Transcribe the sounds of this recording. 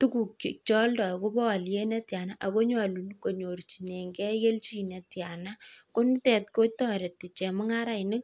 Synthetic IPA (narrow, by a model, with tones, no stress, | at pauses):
tu˦ku˨k̚i˨t͡ʃɔ˦ldɔ˨ko˦bɔ˦wa˨lje˦nɛ˦tja˨na˦ʔa˨ko˦ɲa˨lu˨nko˨ɲo˨ɾt͡ʃi˨ne˨ŋɡɛ˦ɣe˦lt͡ʃi˦nɛ˨tja˨na˦ko˦n˦tɛ˨tko˦tɔ˦ɾe˨tːɪ˨t͡ʃɛ˨mʊ˦ŋa˦ɾa˨ɪnɪ˦k̚